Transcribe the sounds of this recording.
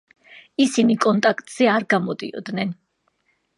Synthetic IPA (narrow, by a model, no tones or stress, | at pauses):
isinikʼɔnt̪ʼakʰt̪ʼz̥ɛaɾɡamɔd̪ḭɔ̰d̪nɛn